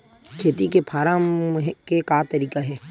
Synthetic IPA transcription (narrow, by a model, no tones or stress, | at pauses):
kʰeːt̪ikepʰaːɾamɦɛkekaːt̪ɐɾiːkaɦɛː